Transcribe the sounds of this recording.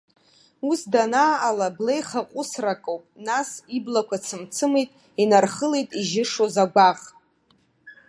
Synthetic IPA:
usdanaːlablejχaqʷʼʊsrakʼowpʼnasiblakʷʰat͡sʰɨmt͡sʰɨmejtʼ | inarχəlejtʼiʒɪʂozaɡʷaʁʼ

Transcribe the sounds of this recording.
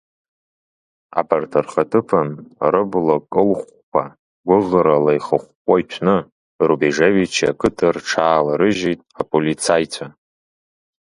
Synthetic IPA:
a̰bartʰarχatʰɨpʰanrɨblakʼɨlχʷ | kʷʰa | ɡʷʊʁɾalajχəχʷkʷʼait͡ʃʷʰnɨ | rubiʐevit͡ʃʰia̰kʰɨtʰɨrʈ͡ʂʰaːlaɾɨʒitʼapʼolit͡sʰajtʷʰa

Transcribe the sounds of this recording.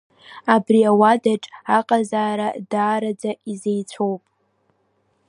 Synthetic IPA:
abriawadaʈ͡ʂʼaqʼazaːɾadaːɾad͡zaʔizejt͡sʷʰowpʼ

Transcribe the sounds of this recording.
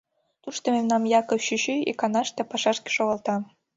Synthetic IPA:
t̪uʃt̪omemnɑmjɑkɤɕyɕyḭkɑnɑʃt̪epɑʃɑʃke̥ʃoɣɑlt̪ɑ

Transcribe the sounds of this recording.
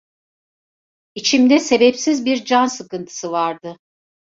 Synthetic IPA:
it͡ʃʰimd̪ɛse̞bɛpsizbiɾd͡ʒansɯkɯnt̪ʰɯ̥sɯvaɾd̪ɯ

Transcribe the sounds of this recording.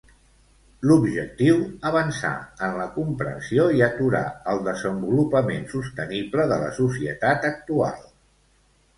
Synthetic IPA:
lubʒək̚t̪iwəβ̞ənsa̰ənləkumpɾə̰nsioiət̪uɾa̰əlˠd̪əzəmbulupəmensust̪ənibləðələ̰susiə̰t̪at̪ək̚t̪ua̰lˠ

